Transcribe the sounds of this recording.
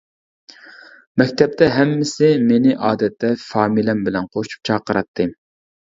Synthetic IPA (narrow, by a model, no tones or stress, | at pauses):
mɛkʲt̪ʰɛp̚t̪ʰɛɦɛmːɪsɪmenɪʔɑːd̪ɛt̪ʰːɛfɑːmilɛmbɪlɛnqʰoʃu̥p̚t͡ʃʰɑːqəɾɑt̪ʰːɨ